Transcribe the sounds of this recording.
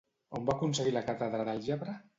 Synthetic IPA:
ombakuns̬eɣilakat̪aðɾaðəlˠʒeβɾə

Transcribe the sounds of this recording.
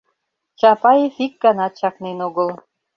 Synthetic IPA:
t͡ɕɑpɑjefik̚ɡɑnɑt̪̚t͡ɕɑknenoɣəl

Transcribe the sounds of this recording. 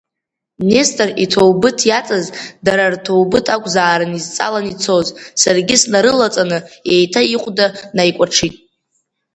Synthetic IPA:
ne̞stʼritʰo̞wbɨtʰjat͡sʼazdaɾartʰo̞wbɨtʰakʷʼzaːɾɨnizt͡sʼa̰lanit͡sʰo̞zsarɡʲɪsnaɾɨlat͡sʼanɨejtʰaiqʷʼdanajkʷʼaʈ͡ʂʰitʼ

